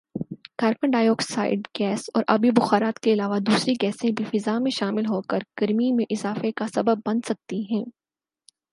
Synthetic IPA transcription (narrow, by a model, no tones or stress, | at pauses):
kaːɾpə̃ɳɖaːjoːksaːɪɖɡɛːsɔ̰ːɾʔa̰bibʊxaːɾaːt̪keɪlaːʋad̪uːsɾiɡɛːsẽbʱifɪzamẽʃaːmɪlɦoːkəɾɡ̥ɐɾmimẽʔɪzaːfekasɐbəbːɐ̃nd̪sɐk̚t̪iɦɛ̃ː